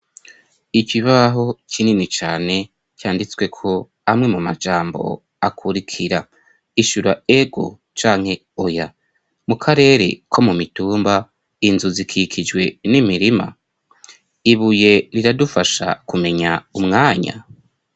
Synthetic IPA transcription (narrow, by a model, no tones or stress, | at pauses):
ikiβaɦo̞cininit͡ʃaːne̞ | cjaːndit͡swe̞kʰo̞ | amŋe̞mumad͡ʒaːmbo̞̰ | akʰuɾikʰiɾa | iʃuɾaeɡo̞̰ | t͡ʃaːŋ̥he̞ | oja | mukʰaɾe̞ːɾe̞̰kʰo̞mumituːmba | inzuzikʰikʰid͡ʒwe̞nimiɾima̰ | iβuje̞ɾiɾadufaʃa̰kume̞ɲaumŋaːɲa̰